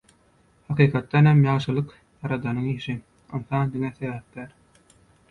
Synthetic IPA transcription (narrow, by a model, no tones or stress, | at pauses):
hɑqiːqʰɑt̪ːɑnhæmjɑːʃɯlˠɯq | jɑɾɑd̪ɑnɯŋiːʃi | ɯnθɑnd̪iŋæθæjɑːhet̪ːæɾ